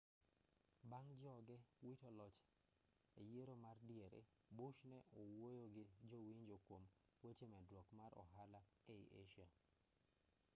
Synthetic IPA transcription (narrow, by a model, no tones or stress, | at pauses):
baŋd͡ʒɔɡɛwitɔlɔt͡ʃ | ejeɾomardɪeɾḛ | boʃnɛʔowojoɡɪd͡ʒowiɲd͡ʒokwom | wet͡ʃemɛdwɔkmaɾɔ̰ɦala | eiʔeʃa